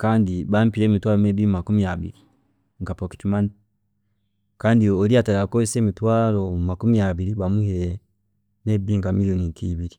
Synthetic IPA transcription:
kaːndiβampiɾeːmitwalomebiɾmakumiaβḭɾi | ŋkapoki̥timan | kaːndioɾiataɾakoseːmitwaːlomakumiaβiɾiβamuhe | mebiŋkamilionikiβiɾi

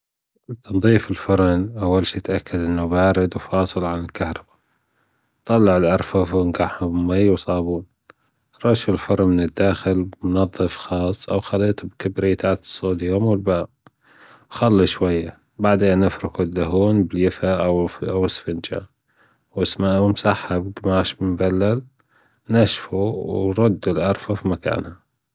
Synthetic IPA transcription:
t̪nðˤiːfɪlfʊɾˤnʔawːalʃiːt̪ʔakʰːad̪ʔɪnːʊbaːɾɪd̪wfɑːsˤɨlʕanɪlkahɾˤɑbḁ | t̪ˤɑlːɑʕɪlʕɑɾˤfafnɡaħhʊbmːajːwsˤɑːbuːn | ɾˤɑʃɪlfʊɾˤmɪnɪd̪ːaːxɪlmʊnɑðˤːɨfxɑːsˤːʔawxalːiːt̪ʊbkɪbɾit̪ʰaːt̪sˤːoːd̪jʊːmwɪlbaː | xalːiʃwajːa | baʕd̪eːnːɪfɾɪkud̪ːaɦuːnbɪljɪfaʔawawɪsfɪnd͡ʒa̰ | wɪsmaʔmsaħːabɡmaːʃbɪmbalːal | naʃfuwɾˤɑd̪ːulʕɑɾˤfafimaka̰ːnha

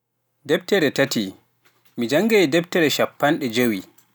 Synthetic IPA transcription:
dɛb̚tɛɾɛtati | mid͡ʒaŋɡɛdɛb̚tɛɾɛʃapːanɗɛd͡ʒowi

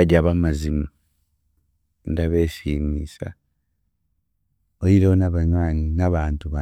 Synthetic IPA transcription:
aɟaβamazimu | indaβeʃinisa̰ | ojiɾeonaβaɲwaːninaβaːntuβa

